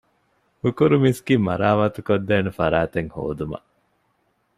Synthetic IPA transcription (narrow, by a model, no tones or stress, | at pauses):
hukuɾumisɡiːmɐɾaːmɐt̪ukod̪ːeːnufɐɾaːt̪eŋho̰ːd̪umɐ̰ʔ